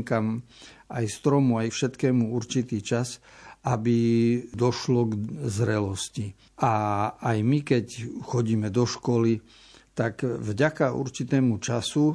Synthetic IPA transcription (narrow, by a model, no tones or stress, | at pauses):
ŋkamajst̪ɾɔmuajfʃɛt̪kɛːmuuɾt͡ʃit̪iːt͡ʃasabid̪ɔʃlɔɡzɾɛlɔsci | aajmikɛcxɔɟiːmɛd̪ɔʃkɔli | t̪akvɟakaṵɾt͡ʃit̪ɛːmut͡ʃasu